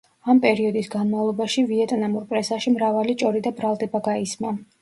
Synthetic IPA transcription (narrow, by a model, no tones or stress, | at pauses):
ampʼɛɾiɔd̪isɡanmavlˠɔbaʃiviɛt̪ʼnamuɾpʼɾɛsaʃimɾavalit͡ʃʼɔɾid̪abɾalˠd̪ɛbaɡaisma